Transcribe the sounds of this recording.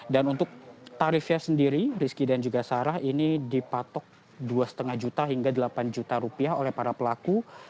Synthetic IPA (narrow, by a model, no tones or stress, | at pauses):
danunt̪ʊk̚t̪aɾifjasəndiɾiɾiskidand͡ʒuɡasaɾahinidipat̪ɔk̚ | duasə̥t̪əŋahd͡ʒut̪aɦiŋɡadəlapand͡ʒut̪aɾupiaholɛhpaɾapəlaku